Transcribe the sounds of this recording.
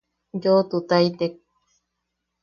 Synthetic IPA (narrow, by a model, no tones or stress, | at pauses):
jot̪ut̪ajt̪ek̚